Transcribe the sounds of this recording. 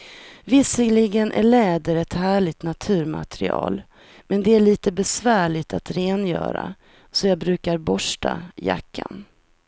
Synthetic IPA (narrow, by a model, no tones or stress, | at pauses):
vɪsəlɪɡənʔæ̰ɭɛːd̪əɾɛt̪hæːɭɪɡ̚t̪nat̪ʰʉ̟ːɾma̰t̪ɾɪɑ̰ːl | mɛnd̪ɛæɭiːt̪əbɛsvæːɭɪt̪at̪ɾeːnjœ̰ːɾa̰ | sɔjɑːbɾʉ̟ːkaɾbɔʂʈaja̰kʰːan